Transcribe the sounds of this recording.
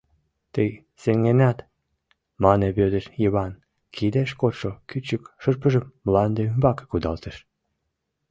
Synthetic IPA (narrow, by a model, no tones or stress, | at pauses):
t̪əj | seŋɡenɑt̪ | mɑneβød̪eʃjəβɑn | kʰid̪eʃkot̪ʃokyt͡ɕəkʃərpəʒəmːlɑnd̪eymbɑke̥kud̪ɑlt̪eʃ